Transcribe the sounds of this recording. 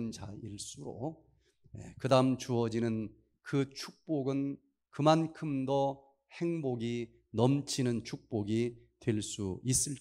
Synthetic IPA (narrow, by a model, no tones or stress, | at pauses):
nd͡ʑaiɭs͈uɾo̰ | jḛkɯdaɯmt͡ɕuʌd͡ʑinɯn | kɯt͡ɕʰuk̚p͈oɡɯn | kɯmankʰɯmdʌ | heŋboɡi | nʌmt͡ɕʰinɯnt͡ɕʰuk̚p͈oɡitwe̞ɭs͈uis͈ɯɭt͡ɕ